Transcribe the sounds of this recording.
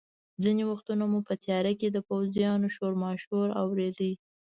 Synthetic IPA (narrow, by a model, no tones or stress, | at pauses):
zinewaxt̪unamupət̪jɑɾaked̪əpawzijɑnoʃoɾmɑʃhuɾa̰wɾed̪i